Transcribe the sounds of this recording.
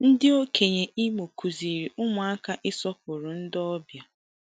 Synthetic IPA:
n̩˦dɪ˦o˦kʰe˨ɲe˨ʔi˦mo˨kʰu˨zi˨ɾi˨ʔʊ˦mʊ˨a˦ka˦ʔɪ˦sɔ˦p̚ʊ˨ɾʊ˨n̩˦dɔ˦bja˨

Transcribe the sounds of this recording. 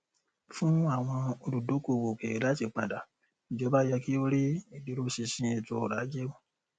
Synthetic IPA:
fũ˦a˦˨w̃ɔ̃˧o˧du˨do˨˦ko˦˨wo˨ke˨e˨˦la˨˦ti˧k͡pã˨da˨ | i˨d͡ʒɔ˨˦ba˦jɛ˧ki˦o˧ɾi˦e˨di˨˦ɾo˦si˧sĩ˧e˧˨to˧˨ɾa˨˦d͡ʒe˦u˦˨

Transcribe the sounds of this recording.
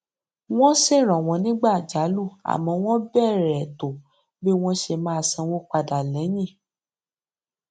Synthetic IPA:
w̃ɔ̃˦se˦˨ɾ̃ɔ̃˨w̃ɔ̃˨˧nĩ˦ɡ͡ba˦˨d͡ʒa˨˦lu˦˨a̰˨mɔ̃˨˦w̃ɔ̃˦bɛ˦˨ɾɛ˨to˨ | be˦w̃ɔ̃˦ʃe˧mã˦˧˨sã˧wo˦k͡pa˧da˨lɛ̃˨˦j̃ĩ˦˨

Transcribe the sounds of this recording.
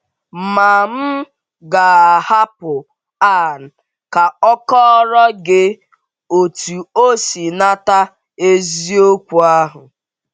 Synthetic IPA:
ma˨m̩˦ | ɡa˨a˨ha˦pʊ˨ | a˦˨n̩˨ | ka˨ɔ˦kɔ˦ɾɔ˦ɡɪ˦ | o˨tu˨o˦si˨na˦ta˦ | e˦zi˦o˦kʷu˨a˦ɦʊ˨

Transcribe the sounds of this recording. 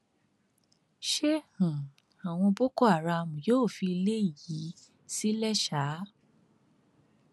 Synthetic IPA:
ʃe˦hũ˨ | a˨w̃ɔ̃˧bo˦kɔ˦a˨ɾa˧˨mũ˨joː˦˨fi˧i˧le˦i˦˨ji˨˦ | si˦lɛ˦ʃa˨˦

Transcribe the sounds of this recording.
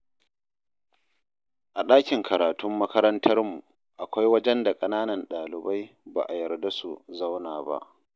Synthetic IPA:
ʔa˨ɗaː˦kʲɪ˨ŋkʰɐ˨ɾaː˨tʊ˦mːɐ˦kɐ˦ɾɐ˦ntʰɐ˦rmu˨ | ʔa˨kʷa˦jwɐ˦d͡ʒɛ˦nda˨kʼɐ˦naː˦nɐ˨nɗaː˨lɪ˨ba˦j | ba̰˨ʔa˨jɐ˨rda˦su˨za˦wnaː˨ba̰˦ʔ

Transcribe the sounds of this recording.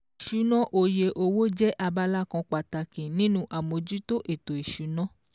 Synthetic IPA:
ʃu˨˦nɔ̃˦ʔo˧je˧ʔo˧wo˦d͡ʒɛ˦ʔa˧ba˧la˦kɔ̃˧k͡pa˨ta˨kĩ˨nĩ˦nũ˦ʔa˨mo˨˧d͡ʒu˦to˦ʔe˦˨to˨i˨ʃu˨˦nɔ̃˦

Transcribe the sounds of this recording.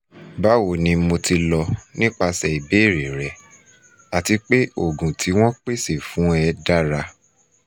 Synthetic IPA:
ba˦wo˨nĩ˧mo˧ti˧lɔ˧nĩ˦k͡pa˧sɛ˨i˨be˨˦˨ɾe˨ɾɛ˨˦ | a˨ti˧k͡pe˦o˦˨ɡũ˨tʰi˨˦w̃ɔ̃˦k͡pe˦se˦˨fũ˨˦ɛ˧da˦ɾa˧

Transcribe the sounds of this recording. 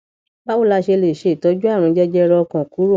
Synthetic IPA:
ba˦o˦˨la˧ʃe˧le˨ʃe˨tɔ˨˧˦d͡ʒu˦a˦˨ɾ̃ũ˨˧˦d͡ʒɛ˦d͡ʒɛ˦ɾɔ˧ɔ˧kã˨ku˨˦ɾo˦˨

